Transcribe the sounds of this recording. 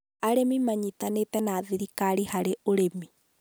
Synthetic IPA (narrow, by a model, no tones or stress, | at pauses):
aɾemimaɲit̪anet̪ɛnaːðiɾikaɾihaɾeoɾemi